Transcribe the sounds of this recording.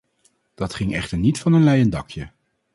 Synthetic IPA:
d̥ɑtχɪŋɛχtəɹnitfɑnənlɛjəndɑkjə

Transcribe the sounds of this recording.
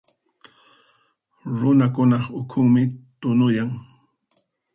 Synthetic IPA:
ɾʊnakʊnɑχʊkʰʊŋmɪt̪ʊnʊjaŋ

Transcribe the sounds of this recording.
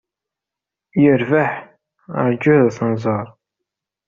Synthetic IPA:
jəɾvaħ | ə̰ɾd͡ʒʊðæθənzˤəɾˤ

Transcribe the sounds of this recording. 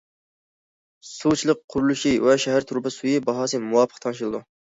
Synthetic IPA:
sut͡ʃʰilˠəq̚ʰːʊɾulˠuʃiwɛʃɛɦæɾt̪ʰuɾbɨsujibɑɦɑːsɨmuwɑpʰə̥qt̪ʰɑnʃilˠɨd̪u

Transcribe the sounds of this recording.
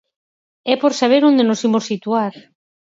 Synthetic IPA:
ɛpoɾsaβ̞eɾond̪enosimosːit̪uaɾ

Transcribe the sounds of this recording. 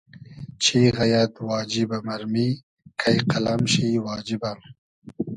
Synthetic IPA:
t͡ʃʰiɣajad̪wɑːd͡ʒibamaɾmi | kʰajqalamʃiwɑːd͡ʒiban

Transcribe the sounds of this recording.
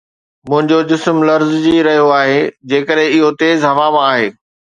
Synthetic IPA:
mʊ̃ɦɪ̃ɲd͡ʑod͡ʑɪsmlɐɾzd͡ʑiɾɐɦijoaːɦeːd͡ʑeːkəɾɦɪ̃ɪɦot̪eːzɦɐʋamãaːɦeː

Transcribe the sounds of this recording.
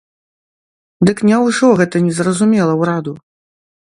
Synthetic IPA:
d̪ɨknʲɛwʐɔɣɛt̪ɐnʲɛzrɐzumʲɛlˠɐwɾad̪u

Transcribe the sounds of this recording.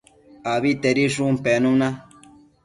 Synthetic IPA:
aβit̪eɾiʂũmpɛnũnã

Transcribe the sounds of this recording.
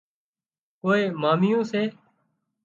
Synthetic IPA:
koːeːmaːmɪjõːseː

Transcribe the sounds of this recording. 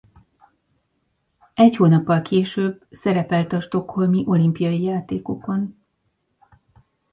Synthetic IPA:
ɛchoːnɒpːɒlkʰeːʃøːbsɛɾɛpɛlt̪ɒʃt̪o̞kho̞lmiʔo̞limpijɒjijaːt̪eːko̞ko̞n

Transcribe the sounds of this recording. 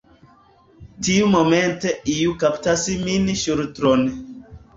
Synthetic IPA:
tiumomenteiukaptasiminʃuɾtɾon

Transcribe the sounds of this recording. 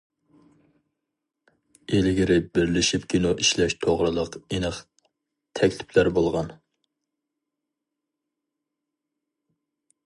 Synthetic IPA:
elɪɡʲiɾɪbɪɾlɪʃipkʲʰinoʔiʃlɛʃt̪ʰoʁɾɨlˠəqenɨχ | t̪ʰɛkʲlɪ̥pʰlæɾbolˠʁɑn

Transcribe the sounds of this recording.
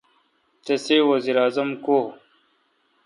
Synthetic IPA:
t̪esewɐziɾaːzɐmko

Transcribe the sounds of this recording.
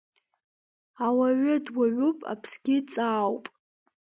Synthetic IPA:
awaɥʊdwaɥupʼa̰pʰsɡʲɪt͡sʼaːwpʼ

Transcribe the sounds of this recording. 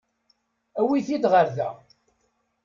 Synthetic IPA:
æwiθid̪ʁəɾðæ̰

